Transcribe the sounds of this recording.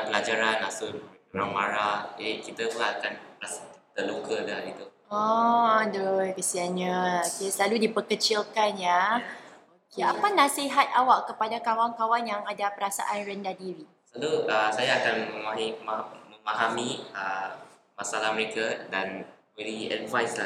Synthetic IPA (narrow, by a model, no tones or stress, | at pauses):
pəlad͡ʒaɾanasu | ɾaŋwaɾad͡ʒadikit̪əpulakanpəɾasat̪əlukədaɦaɾit̪u | ɔdojkəsianɲaokesəlaludipəkət͡ʃilkanja | okeapanãsiɦat̪̚awaʔkəpadakawaŋkawanjaŋadapəɾasa̰ʔanrəndadiɾi | slaluəsajaːkanməmaimaməmaɦamiə | masalahməɾekadanwɛɾiɛ̰dvajsla